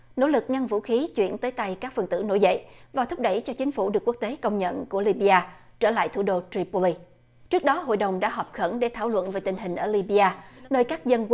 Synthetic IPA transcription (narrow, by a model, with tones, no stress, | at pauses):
no̰˧˥lɨ˨˩k̚ŋa˧ŋvṵ˧˥xi˨˦t͡ɕwḭ˧˨˩ənt̪əː˨˦jt̪a˧jkaː˦˥k̚fə˨˩nt̪ɨ̰˧˩no̰˧˥jzə̰˧˨jvaː˨˩t̪ʰʊ˦˥p̚ɗə˧˩jt͡ɕɔ˧t͡ɕï˨˦ŋ̟fu˧˩ɗɨ˨˩ək̚wu˦˥k̚t̪e˨˦kə˧wŋ͡mɲə̰˧˨nku˧˩əli˧ɓi˧ʔaː˧ | t͡ɕəː˧˩la̰ː˧˨jt̪ʰu˧˩ɗo˧t̪ɾi˧pu˧li˧ | t͡ɕɨ˦˥ək̚ɗɔ˨˦ɦo̰˧˨jɗə˨˩wŋ͡mɗa̰ː˧˥ɦɔː˨˩p̚xə˧˩nɗe˧˩t̪ʰaː˧˩wlwə̰˧˨nve˨˩t̪ï˨˩ŋ̟ɦï˨˩ŋ̟ʔəː˧˩li˧ɓi˧aː˧nəː˧jkaː˦˥k̚zə˧n